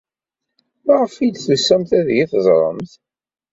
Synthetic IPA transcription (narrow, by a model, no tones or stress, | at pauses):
maʁəfid̪θəlsːæmθæðjiθəzˤɾˤə̰mθ